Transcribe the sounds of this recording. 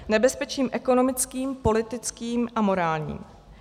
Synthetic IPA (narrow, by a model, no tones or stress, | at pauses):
nɛbɛspɛt͡ʃiːmʔɛko̞no̞mɪt͡skiːmpo̞lɪt̪ɪt͡skiːmʔamo̞ɾaːlɲḭːm